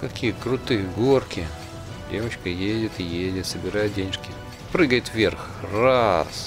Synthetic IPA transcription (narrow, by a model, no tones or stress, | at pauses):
kɐkʲijəkɾʊt̪ɨjəɡorkʲɪ | dʲevət͡ɕkəjedʲɪt̪ɪjedʲɪt̪səbʲɪɾajt̪̚dʲenʲɪʂkʲɪ | pɾɨɡəjɪt̪vʲerx | ras